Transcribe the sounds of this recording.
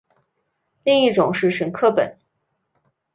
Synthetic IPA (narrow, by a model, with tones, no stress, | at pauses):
li˥˧ŋi˥˩ʈ͡ʂʊ˨˩˦ŋʂɻ̩˥˩ʂə˨˧˥nkʰɤ˥˩pə̰˨˩˦n